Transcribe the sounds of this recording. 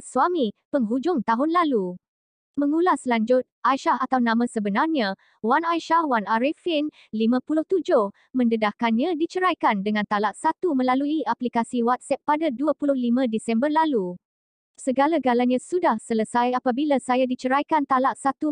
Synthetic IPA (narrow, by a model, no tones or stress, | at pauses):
swamipəŋɦud͡ʒʊŋt̪aɦʊnlalu | mə̃ŋulaslaɲd͡ʒʊt̪̚ʔajʃahat̪awnãmãsəbənarɲã | wanajʃahwanaɾɛfin | limãpulʊht̪ud͡ʒʊh | mə̃ndədahkanɲãdit͡ʃəɾajkandəŋãnt̪alaʔsat̪umə̃laluiaplikasiwat̪̚sɛp̚ːadaduapulʊhlimãdisɛmbərlalu | səɡalaɡalaɲãsudahsələsajapabilasajadit͡ʃəɾajkant̪alaʔsat̪u